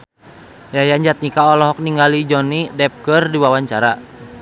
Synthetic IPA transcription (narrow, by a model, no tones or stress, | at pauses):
jajaɲd͡ʒat̪̚nikaɔlɔɦɔk̚niŋɡalid͡ʒɔnidɛp̚kərdiwawaɲt͡ʃaɾa